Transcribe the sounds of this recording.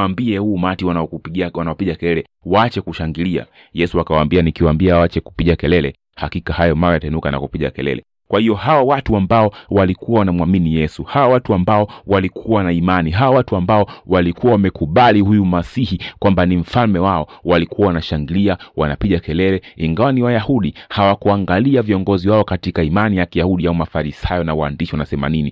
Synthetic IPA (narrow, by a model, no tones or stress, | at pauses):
ambiɛhuːmatiwaiawanaɔpiɠakɛlɛlɛ | waat͡ʃɛkuʃaŋɡilia̰ | jɛsuakawaːmbianikiwambiawat͡ʃɛku̥piɠakɛlɛlɛ | hakikahajɔmaɾajataɛnukana̰kupiɠa̰kɛlɛ̰lɛ̰ | kwahijɔhawawatuambaɔwalikuawanamwaminijɛsuhawawatuambaɔwalikʰuwanaimaniɦawawatuambaɔwalikuwawamɛkuɓaliɦujumasihikwambanim̩falmɛwaɔwalikuwawanaʃaŋɡiliawanapiʄakɛlɛlɛiŋɡawaniwajahuɗihawakuaŋɡaliaviɔŋɡɔziwaɔkatikaimanijakijahuɗiaumafaɾisajɔnawaaːndiʃiwanasɛma̰nini